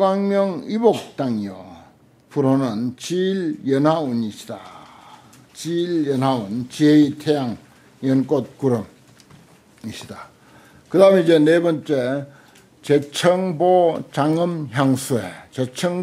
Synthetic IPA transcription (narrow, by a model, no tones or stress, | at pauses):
ɡaŋmjʌŋibok̚t͈aŋijo | puɾonɯnt͡ɕiljʌnɦauniɕʰi̥da | t͡ɕiljʌnɦaunt͡ɕieitʰejaŋ | jʌnk͈ot̚kuɾɯm | iɕʰida | kɯdameid͡ʑenebʌnt͡ɕ͈e | t͡ɕet͡ɕʰʌŋbot͡ɕaŋɯmçjaŋsʰuet͡ɕet͡ɕʰʌŋ